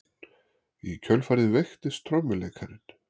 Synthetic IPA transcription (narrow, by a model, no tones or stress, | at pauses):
icʰœlfaːɾɪðvejxt̪ɪst̪ʰɾɔwmːɪlejkʰaɾɪn̥